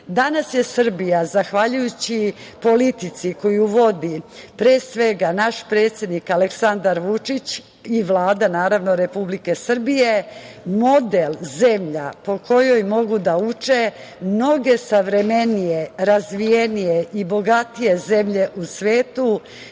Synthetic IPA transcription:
d̪anasje̞sr̩bijazaxʋaʎujut͡ɕipo̞lit̪it̪siko̞juʋo̞d̪ipɾeːsʋe̞ɡanaʃpɾe̞ːt̪sje̞d̪nikaleksand̪aɾʋut͡ʂit͡ɕ | iʋlˠaːd̪anaːɾaʋno̞ɾe̞publike̞sr̩bije̞ | mo̞d̪elze̞mʎapo̞kʰo̞jo̞jmo̞ɡud̪aut͡ʂe | mno̞ɡe̞saʋɾe̞menijeɾazʋijenije̞ʔibo̞ɡat̪ije̞ze̞mʎe̞ʔusʋeːt̪u

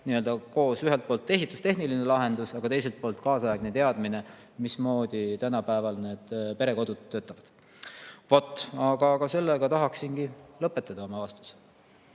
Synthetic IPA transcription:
niø̞ld̪ɑko̞ːsyɦelt̪̚po̞ːlt̪ːe̞ɦit̪ːˑust̪e̞ɦnilinelɑɦe̞nd̪̥usɑɡ̥ɑt̪e̞js̬elt̪̚po̞ːlt̪kɑːsɑjɑɡnet̪e̞ɑd̪̥mine̞ | mismo̞ːd̪̥it̪ænɑpæevɑlne̞ːd̪̥pe̞ɾe̞ko̞d̪̥ud̪̥̚ʰːø̞ːt̪ːˑɑvɑd̪̥ | vot̪ːˑɑɡ̥ɑɡ̥ɑse̞lːeɡ̥ɑt̪ɑɦɑksinɡ̥ilɤpːˑe̞t̪ːˑɑd̪ɑo̞mɑvɑst̪u̥s

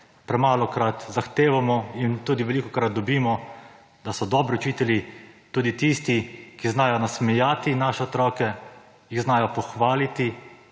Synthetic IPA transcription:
pɾɛmaːlɔkɾat̪zaxt̪eːʋamɔint̪uːd̪iʋɛlikɔkɾat̪̚d̪ɔbiːmɔ | d̪asɔd̪ɔːbɾiɔt͡ʃiːt̪ɛljit̪uːd̪it̪ist̪ikiznaːjɔnasmɛjaːt̪inaːʃɛɔt̪ɾɔːkɛ | jiɣznaːjɔpɔxʋaːlit̪i

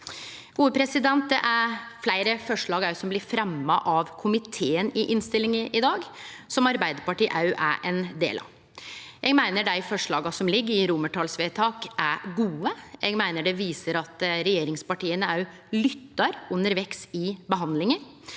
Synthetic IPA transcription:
ɡ̥uːəpʰɾɛsɪd̪ɛnt̪̚d̪ɛʔæɾflæɪɾəfɔʂɭɑːɡɑʉsɔmblɪɾfɾɛmːɑʔɑʋkʰʊmɪt̪ʰeːənɪʔɪnst̪ɪlɪŋəʔɪd̪ɑːɡ | sɔmɑɾbæɪd̪əɾpɑʈiːʔɑ̰ʉʔæ̰ɾʔɛnd̪ḛːlɑ̰ | jɛɡmæɪnəɖæɪfɔʂɭɑːɡɑsɔmlɪɡːəɾɪɾʊməʈʰɑːlsʋeːt̪ʰɑːkæɡuːəjɛɡmæɪnəɖɛʋiːsəɾɑt̪ɾɛjeːɾɪŋspɑʈiːənəɑʉ | lʏt̪ːɑɾʉnːəɾʋɛksɪbəɦɑnd̪lɪŋə

